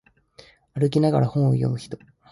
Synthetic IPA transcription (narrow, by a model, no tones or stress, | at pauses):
aɾɯ̟k̬ʲinaɡa̰ɾahõɰ̃o̰jo̞̰mɯ̟çi̥t̪o̞̥